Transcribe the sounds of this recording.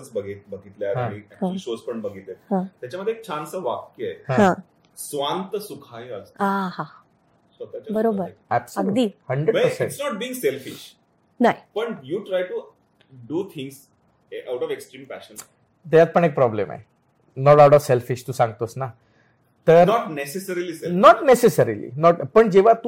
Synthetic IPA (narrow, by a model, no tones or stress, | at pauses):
t͡sbəɡit̪̚bəɡʱit̪ljaɦmiæk̚aũliʃospəɳbəɡʱit̪et̪̚ɦãt̪jat͡ɕjaməd̪ʱjek̚t͡ɕʰãnsəʋakkiajhhãɦã | sʋant̪əsukʰajəsaɦã | sot̪at͡ɕbəɾobəɾæbsəɡud̪iːhəɳɖɾəɖpəɾseĩɳʈsnɔʈ̚bĩːŋɡselfiʃ | naipəɳjuːʈɾajʈu | ɖuːt̪ʰĩŋɡs | awʈɔʋeksʈɾiːmpæ̰ʃən | t̪ejat̪̚pəɳek̚pɾɔblḛma̰e | nɔʈawʈɔʋselfiʃt̪usãŋɡt̪osna | t̪əɾnɔʈnesesəɾilisenɔʈnesesəɾilḭnɔʈpəɳd͡ʑeʋ̤at̪u